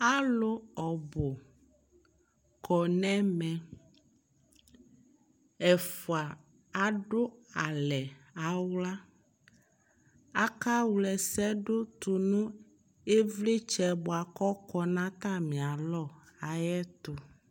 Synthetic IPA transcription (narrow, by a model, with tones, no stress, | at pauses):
a˦lo˦ɔ˨bo˨ | kʰɔ˨nɛ̃˦mɛ̃˨ | ɛ˨fu˨a˨ | a˨ɖo˦a˨lɛ˨a˨wla˦ | a˦ka˦wu˨lɛ˨sɛ˦ɖo˦t̪u˨nũ˦ | e˦vle˦t͡ʃɛ˨bo˨a˨kɔ˦kɔ˦nã˦t̪ã˦mĩ˨a˨lɔ˦˨a˨jɛ˦t̪o˨